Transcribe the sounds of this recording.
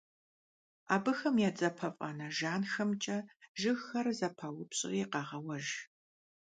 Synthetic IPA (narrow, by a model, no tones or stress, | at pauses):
aːbɨxɐmjaːd͡zʼɐpʰɐfʼɐ̰nɐʒaːnxɐmt͡ʃʼɐʒɪɣxɐrzɐpʰɐwʊpɕʼɪ̰rjiqɑːʁɐwɐʒ